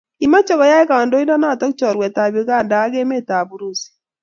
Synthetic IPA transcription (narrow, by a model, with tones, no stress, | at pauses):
i˨ma˦t͡ʃɔ˦ɣɔ˨˦ja˦i˦ka˨ndo˦i˦nɔ˦na˦˨tɔ˦kt͡ʃɔ˨ɾwe˨ta˨βi˦ɣa˦˨ndaː˨˦ɣe˦me˦˨ta˨bu˦ɾu˦˨si̥˨